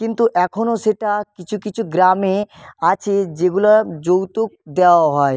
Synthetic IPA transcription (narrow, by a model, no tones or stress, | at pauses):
kɪ̃nt̪uʔɛːkʰonoseʈakɪt͡ʃʰukɪt͡ʃʰuɡɾaːmẽat͡ʃʰed͡ʒeɡulad͡ʒot̪uk̚d̪eaɦɔːe